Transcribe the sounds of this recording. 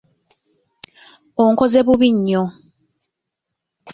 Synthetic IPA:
oŋkozeβuβiɲːo

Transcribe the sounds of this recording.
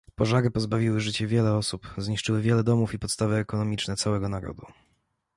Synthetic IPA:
pɔʐaɾɘpɔzbavʲiwɘʐɘt͡ɕɛvʲjɛlɛɔsupzɲiʂt͡ʂɘwɘvʲjɛlɛd̪ɔmufipɔt̪st̪avɘːkɔnɔmʲit͡ʂnɛt̪sawɛɡɔnaɾɔ̰d̪u

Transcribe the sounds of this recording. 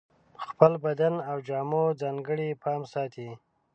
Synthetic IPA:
xpəlbad̪anawd͡ʒɑːmod͡zɑŋɡəɽipʰɑmsɑt̪ʰi

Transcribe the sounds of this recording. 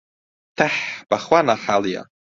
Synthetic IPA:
tʰaħb̥aχwanaħalja̰

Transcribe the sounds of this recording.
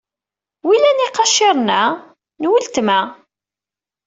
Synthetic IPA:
wilæniqɑʃɪɾˤnæ | nwəlt̪mæ

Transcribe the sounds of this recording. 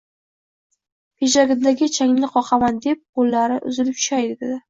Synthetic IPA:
pʰeʒaɡʲɪnd̪aɡʲɪt͡ʃʰaŋlɪqʰɒqʰɑmand̪e̞p̚qolːaɾɪʔʊ̰zɪlɪp̚t͡ʃʰʊ̥ʃajd̪ɪd̪ed̪ɪ

